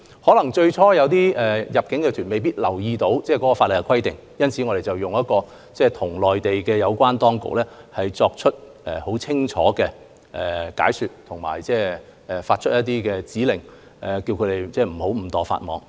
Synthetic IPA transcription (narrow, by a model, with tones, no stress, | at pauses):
hɔː˨˥lɐ˨˩ŋt͡ʃɵ˧ɥt͡ʃʰɔː˥jɐ˨˧wt̪̬iː˥ɛː˨jɐ˨p̚kɪ˨˥ŋkɛ˧t̪ʰyː˨˩nme˨jpiː˥t̚lɐ˨˩wjiː˧t̪o˨˥wt͡sɛː˥˩kɔ˨˥kɔː˧faː˧tlɪ˨˩kɛ˧˥kʰɐ˥jt̪ɪ̰˨ŋjɐ˥nt͡sʰiː˨˥ŋɔː˨˧ɾe˨jt͡sɐ˨˩wjʊ˨ŋjɐ˥t̚kɔː˧ | t͡sɛː˥˩t̪ʰʊ˨˩ŋlɔː˨jt̪e˨jkɛː˧jɐ˨˧wkʷwaː˥nt̪ɔː˥ŋkʊ̰˨k̚lɛː˥hɐ˨jt͡sɔː˧k̚t͡ʃʰɵ˥t̚ | ʔɛ˨ho˨˥wt͡sʰɪ˥ŋt͡ʃʰɔ̰ː˨˥kɛː˧ | ʔɛː˨ka̰ː˨˥jsyː˨t̚t̪ʰʊ˨˩ŋma̰ː˨˩jt͡sɛː˥˩ɛ˨faː˧t̚t͡ʃʰɵ˥t̚jɐ˥t̪̬iː˥kɛː˧t͡siː˨˥lɪ˨˩ŋ | ɛ˨˩ki˧wkʰɵ˨˧ɾe˨˩jt͡sɛː˥˩m̩˨˩ho˨˥wm̩˨˩t̪ɔː˨fa̰ː˧t̚mɔː˨˧˥ŋ